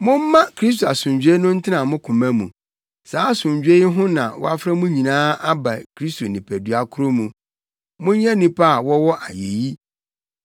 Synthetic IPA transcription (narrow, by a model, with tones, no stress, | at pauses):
mʊ̃˦m̩˦mã˦kʰɾi˦s̬to˨a˨sʊ̃˨ɲd͡ʑᶣe˦nʊ̃˦n̩˦tʰɪ˦nã˨mʊ̃˦kʰũ˨mã˦mũ˨ | saː˨˦sʊ̃˨ɲ˨d͡ʑᶣe˦ɦʊ̃˦nã˨wɔ̰˦a˦fɾa˦mũ˦ɲĩ˨nãː˦ʔa˦ba˨kʰɾi˦stʰo˨nĩ˨pʰæ˨dɥa˨kʰʊ˦ɾo˦mũ˨ | mʊ̃˦ɲ˦ɛ̃˦nĩ˦pʰa˦˨wɔ˦wɔ˦ʔa˨je˨ji˦